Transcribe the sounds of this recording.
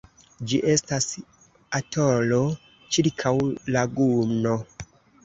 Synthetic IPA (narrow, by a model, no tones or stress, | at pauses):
d͡ʒiʔe̞stas | atolo | t͡ʃiɾkʰawlaɡumno